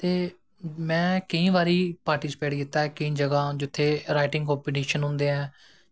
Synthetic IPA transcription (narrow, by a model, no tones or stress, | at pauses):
t̪eː | mɛ̃ːkəĩːʋaːɾiːpaːɾʈiːspeːɖkiːt̪ːaːɛːkəĩːd͡ʒəɡãːd͡ʒʊt̪ʰːeːɾaːɪʈɪ̃ŋɡkoːmpoʈiːʃənɦʊ̃nd̪eːɛ̃ː